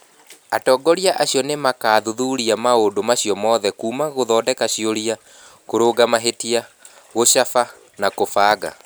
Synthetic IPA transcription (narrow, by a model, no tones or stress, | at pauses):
atɔːɡɔɾiaʔaɕiɔnemakaːðuðuɾiamaodomaɕiɔmɔːðɛkuːmaɣoðɔːdɛkaɕioɾia | koɾoːɡamaɦetia | ɣoɕafa | nakofaːɡa̰